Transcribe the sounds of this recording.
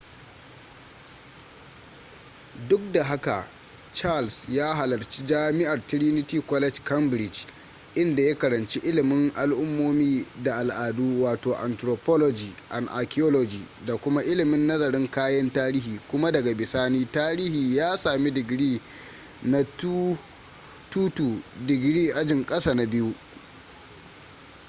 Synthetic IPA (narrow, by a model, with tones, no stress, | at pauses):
dʊ˦k̚da˨ɦa˦ka̰˨ | t͡ʃa˦lsjaː˦ɦa˨lɐ˨rt͡ʃi˦d͡ʒaː˦mɪ˦ʔa˨rtɪ˦ɽi˦nɪ˦tiː˦kɔ˦lɛ˦d͡ʒkɐ˦mbɾɪ˨d͡ʒ | ʔɪ˦nda˨ja˦kɐ˨ɾɐ˨nt͡ʃi˦ʔɪ˦lɪ˨mɪ˦ŋʔa˨lʔʊ˦mːoː˦miː˦da˨ʔa˨lʔaː˨duː˦waː˨toː˨ʔa̰˨ntɾoː˨pɔ˦lɔ˦d͡ʒiː˨ʔa˨nʔa˨ki˦ɔ˦lɔ˦d͡ʒiː˨da˨kʷʊ˦ma˦ʔɪ˦lɪ˨mɪ˦nːɐ˦zɐ˨ɾɪ˦ŋkaː˦jɐ˦ntaː˦ɾiː˦hiː˨kʷʊ˦ma˦dɐ˨ɡa˨bɪ˨saː˦niː˦taː˦ɾiː˦hiː˨jaː˦saː˨mi˦dɪ˨ɡɽiː˦ | na˦t | tuː˦tuː˨dɪ˨ɡɽiː˦ʔa˦d͡ʒɪ˨ŋkʼɐ˦saː˨na˨bɪ˦ju˦